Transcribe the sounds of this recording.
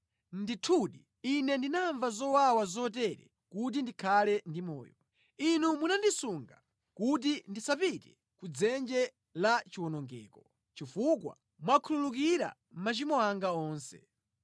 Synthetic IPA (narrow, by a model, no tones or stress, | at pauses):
nditʰuɗi | inɛndinaɱvazɔwawazɔtɛɾɛ̰ | kut̬indikʰalɛndimɔ̰ːjɔ | inumunandisuŋɡa | kut̬indisapitɛ | kud͡zɛnd͡ʒɛ | lat͡ʃiwɔnɔŋɡɛːkɔ | t͡ʃifukwa̰ | mwakʰululukiɾa̰ | m̩mat͡ʃimɔaŋɡaɔːnsɛ̰